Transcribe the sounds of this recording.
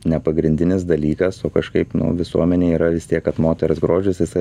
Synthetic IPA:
nʲɛpɐɡɾʲɪnʲdʲɪnʲɪs̬d̪ɐlʲiːkɐsoːkɐʃkɐɪpnʊ̰ʋʲɪsuɔmʲɛnʲeːiːɾɐʋʲɪst̪ʲiɛkkɐt̪moːt̪ʲɛɾʊsɡɾoːʒʲɪsjɪsɐɪ

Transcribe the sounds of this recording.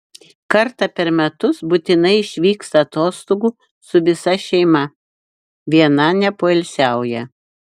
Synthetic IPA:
kɐɾt̪ɐpʲɛɾmʲɛt̪ʊsbut̪ʲɪnɐɪɪʃʲʋʲiːkst̪ɐːt̪oːst̪oːɡuː | sʊʋʲɪsɐʃʲɛɪmɐ | ʋʲiɛnɐnʲɛpoːɛlʲsʲæˑʊjɛ

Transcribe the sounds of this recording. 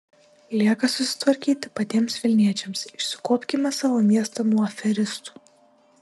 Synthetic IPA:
lʲiɛkɐsʊsʲɪ̥t̪ʋɐɾʲkʲiːt̪ʲɪpɐt̪ʲiɛmsʋʲɪlʲnʲiɛt͡ʃʲɛmsɪʃsʲɪkoːpʲkʲɪmʲɐsɑːʋoːmʲiɛst̪ɐnuɔɐfʲɛɾʲɪst̪u̥

